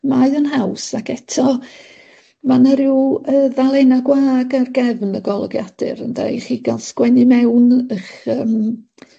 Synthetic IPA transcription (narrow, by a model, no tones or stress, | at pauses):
majənɦawsakɛtʰɔ | manəɾɪwəːðalˠejnaɡwaːɡarɡɛvnəɡɔlˠɔ̰ɡja̰d̥ɨ̰ɾə̰nda̰jχiːɡalˠskwɛnɨmɛwnəχəːm